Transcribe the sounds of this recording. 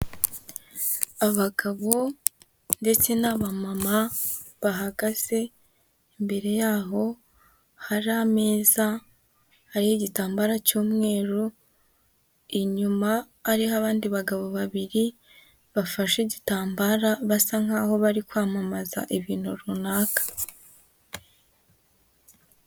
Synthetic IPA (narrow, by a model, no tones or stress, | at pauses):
aβaɡaβo̞ | nde̞t͡se̞naβamamaβaɦaɡaz̥e̞ː | mbe̞ɾe̞jaːɦo̞ | haɾiame̞ːza | haɾiheɟitaːmbaːɾacuːmŋe̞ːɾu | iɲumaː | ɾiɦaβaːndiβaɡaβo̞βaβiɾi | βafaʃiɟitaːmbaɾaβasaŋaːho̞βaɾikwaːmamaza̰ʔiβiːn̥huɾunaːkḁ